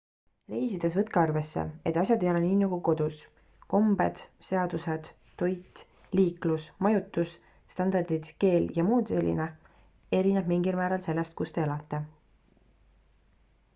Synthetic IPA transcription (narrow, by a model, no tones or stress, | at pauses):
re̞jsid̪̥e̞s̬vɤt̪̚keɑrve̞sːḛe̞t̪ːˑɑsʲjɑd̪ejɑleniːnuɡuko̞d̪̥us | ko̞mbe̞̰d̪̥se̞ɑd̪use̞d̪̥ːo̞jt̪ˑ | liːklusmɑjut̪ːˑus | st̪ɑnd̪ɑrd̪id̪̥ke̞ːljɑmuːd̪̥se̞lʲːḭne̞ | e̞ɾineb̥miŋɡilmæːɾɑlse̞lːe̞st̪̚kust̪e̞elɑt̪ːe̞